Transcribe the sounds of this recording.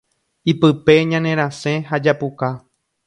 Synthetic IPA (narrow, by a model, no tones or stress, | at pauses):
ipɨpe̞ɲãnẽ̞ɾ̃ãsẽ̞ɦad͡ʒapuka